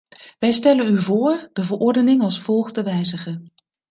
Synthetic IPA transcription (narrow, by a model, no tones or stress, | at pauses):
ʋɛjstɛlənyvʊːɹdəvəɹʔɔɹdənɪŋɑlˠsfɔlˠχdəʋɛjzəχə